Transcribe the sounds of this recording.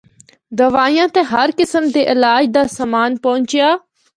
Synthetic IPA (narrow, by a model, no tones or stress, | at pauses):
d̪əʋaːijãːt̪eːɦəɾkɪsəmd̪eːʔɪlaːd͡ʒd̪aːsamaːnpɐʊ̃ɲt͡ʃɪjaː